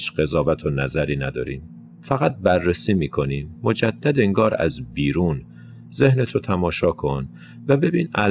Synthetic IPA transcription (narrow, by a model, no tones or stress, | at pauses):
ʃɢ̥e̞zɒːvæt̪ʰonæzæɾiːnæd̪ɒ̰ːɾḭːm | fæɣæt̪̚bærːesiːmiːkʰo̞niːmːo̞d͡ʒæd̪ːæd̪eŋɡɒːɾæ̰zbiːɾuːn | ze̞hnet̪ʰot̪ʰæmɒːʃɒːkʰo̞n | væbe̞biːnæl